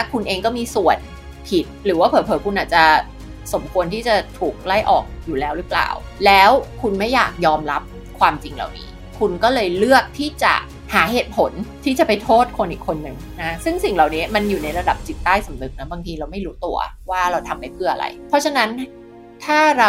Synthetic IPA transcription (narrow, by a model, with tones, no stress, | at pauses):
a˥˩kʰu˧nʔeː˧ŋkɔː˥˩miː˧su˨˩ən | pʰi˨˩t̪̚ɾɯː˩˦waː˥˩pʰɤː˨˩˦pʰɤː˨˩˦kʰu˧nʔaː˨˩t̪̚t͡ɕa˨˩ | so˩˦mkʰu˧ənt̪ʰiː˥˩t͡ɕa˨˩t̪ʰuː˨˩k̚la˥˩jʔɔ̰ː˨˩k̚juː˨˩lɛː˦˥wɾɯ˩˦˥pla̰ː˨˩wlɛː˦˥wkʰu˧nma˥˩jːa̰ː˨˩k̚jɔː˧mɾa˦˥p̚ | kʰwaː˧mt͡ɕi˧ŋla̰˨˩wnḭː˦˥ | kʰu˧nkɔː˥˩lɤː˧jlɯ˥˩ək̚t̪ʰiː˥˩t͡ɕa̰˨˩ | haː˩˦ɦeː˨˩t̪̚pʰo˨˩˦nt̪ʰiː˥˩t͡ɕa˨˩pa˧jt̪ʰoː˥˩t̪̚kʰo˧nʔiː˨˩kʰːo˧nːɯ˨˩ŋna˦˥sɯ˥˩ŋsi˨˩ŋlaː˨˩wniː˦˥ma˧njuː˨˩na˧jɾa˧da˨˩p̚t͡ɕi˨˩t̪ːaː˥˩jsa˩˦mnɯ˨˩k̚na˦˥baː˧ŋt̪ʰiː˧ɾa˧wma˥˩jɾuː˦˥t̪u˧ɐwaː˥˩ɾa˧wt̪ʰa˧mpa˧jpʰɯ˥˩ʔa̰˧ɾa̰˧jpʰɔ˦˥t͡ɕʰa˧na˦˥n | t̪ʰaː˥˩ɾa˧